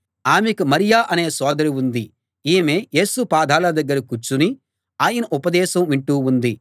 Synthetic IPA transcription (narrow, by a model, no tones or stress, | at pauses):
aːmekumɐɾijaːʔɐne̞ːsɔːd̪ɐɾiund̪i | iːmeːjeːsupaːd̪ʱaːlɐd̪ɐɡːɐɾikut͡ʃːuni | aːjɐnɐʔupɐd̪ɛːʃɐmʋiɳʈuːund̪i